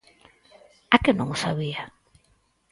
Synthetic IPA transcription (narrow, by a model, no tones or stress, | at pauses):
akɪnõ̰ŋʊsaβia